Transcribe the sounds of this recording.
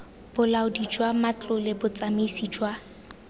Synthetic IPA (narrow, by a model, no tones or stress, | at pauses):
b̥ʊlaʊdid͡ʒwamat͡ɬʼʊlɪbʊt͡sʼamesiːd͡ʒwa